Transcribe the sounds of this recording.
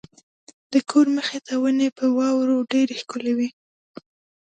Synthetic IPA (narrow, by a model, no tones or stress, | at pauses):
d̪̥əkʰoɾməxet̪awənepəwɑwɾoɖeɾexkʊlewi